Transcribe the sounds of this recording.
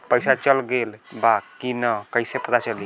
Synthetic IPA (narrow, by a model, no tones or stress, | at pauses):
pəjsat͡ʃəlɡelbakinəkəjsepət̪at͡ʃəli